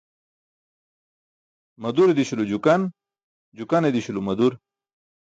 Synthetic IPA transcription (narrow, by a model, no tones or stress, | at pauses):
mɐd̪uɾed̪iɕulud͡ʑukɐn | d͡ʑukaned̪iɕulumɐd̪uɾ